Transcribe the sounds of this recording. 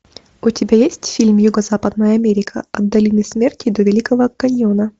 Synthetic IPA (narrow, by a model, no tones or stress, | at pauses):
ʊtʲɪbʲajesʲtʲfʲilʲmjuɡəzapəd̪nəjəɐmʲeɾʲɪkʰə̰ɐd̪ːɐlʲinɨsmʲertʲɪd̪ovʲɪlʲikəvəkɐnʲjonə